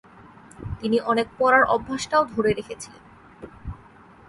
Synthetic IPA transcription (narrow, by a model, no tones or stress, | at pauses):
t̪iniʔɔnek̚pɔɾaɾʔɔ̰bʱːaʃʈaod̪ʱoɾeɾekʰet͡ɕʰilḛn